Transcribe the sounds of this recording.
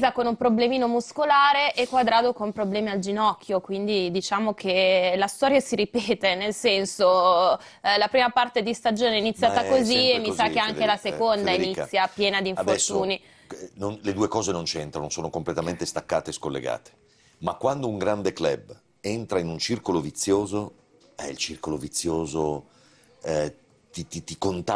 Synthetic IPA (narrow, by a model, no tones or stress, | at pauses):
zakonumpɾoblemiːnomuskolaːɾeʔɛkːwad̪ɾaːd̪okompɾoblɛːmiald͡ʒinɔkːjokwind̪id̪it͡ʃaːmok̟elast̪ɔːɾjasiɾipɛːt̪enelsɛnso | lapɾiːmapart̪ed̪ist̪ad͡ʒoːneinit̪sːjaːt̪akoziemːisakkːeaŋelasekond̪ainit̪sːjapjɛːnad̪iɱforɛt̪ːuːni | nonled̪uːekɔːzenont͡ʃent̪ɾanosoːnokomplet̪ament̪est̪akːaːt̪eːskolːḛɡa̰ːt̪e̥ | makːwand̪ouŋɡɾand̪eklɛb | ent̪ɾainunt͡ʃirkolovit̪sːjoːzo | ɛ̰ḭlt͡ʃirkolovit̪sːjoːzo | ɛ | t̪it̪it̪ikont̪a